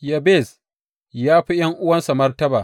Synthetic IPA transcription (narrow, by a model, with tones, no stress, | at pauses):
ja˨beː˦˨s | jaː˦ɸi˦jɐ˦ŋʔʊ˦wɐ˦nsa˨mɐ˦rtɐ˦baː˨